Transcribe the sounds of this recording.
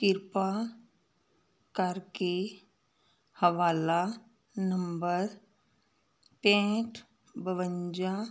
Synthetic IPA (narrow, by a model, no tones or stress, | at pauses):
kɪɾpa | kaːɾke | həʋaːla | nəmbəɾ | pẽːʈʰ | bəʋəɲd͡ʒa